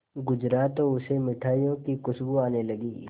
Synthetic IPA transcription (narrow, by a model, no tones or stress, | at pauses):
ɡʊd͡ʒɾaːt̪oʊsemɪʈʰaːijõkikʊsbuaːnelɐɡiː